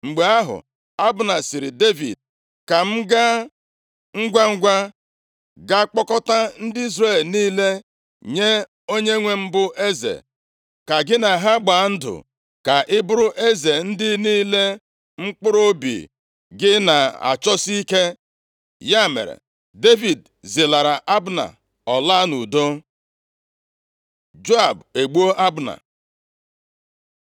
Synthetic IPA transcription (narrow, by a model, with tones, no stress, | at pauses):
ŋ͡m̩˨ɡ͡be˨a˦ɦʊ̰˨ | a˦bʊ˨na˨si˨ɾɪ˨de˦vḭ˨d̚ | ka˨m̩˦ɡa˦ | ŋ̩˦ɡʷa˦ŋ̩˦ɡʷa˦ | ɡa˦k͡pɔ˦kɔ˦ta˦n̩˦dɪ˦i˦zre˦˨lniː˦le˦ | ɲe˦ | o˦ɲe˦ŋʷe˦m̩˦bʊ˦ʔe˦zḛ˨ | ka˨ɡɪ˦na˨ɦa˦ɡ͡ba˨˦n̩˦dʊ̰˨ | ka˨ʔɪ˦bʊ˦ɾʊ˦ʔe˦ze˨n̩˦dɪ˦niː˦le˦ | ŋ͡m̩˦k͡pʊ˦ɾo˦bḭ˨ | ɡɪ˦na˨a̰˨t͡ʃɔ˦si˦ke˦ | ja˦mḛ˨ɾḛ˨ | de˦vi˨d | zɪ˨la˨ɾa˨ʔa˦bna̰˨ | ɔ˨la˦nu˨do˦ | d͡ʒo˦a˨be˨ɡ͡bu˦o˦ʔa˦bna̰˨